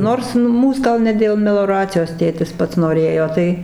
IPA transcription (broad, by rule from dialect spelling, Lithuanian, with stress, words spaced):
ˈnoːrs ˈmuːs ɡɐlˠ ˈnʲɛ dʲeːlˠ mʲɛlˠoːˈrɑːt͡sʲɪjoːs ˈtʲeːtʲɪs ˈpɐts noːˈrʲeːjoː ˈtɐɪ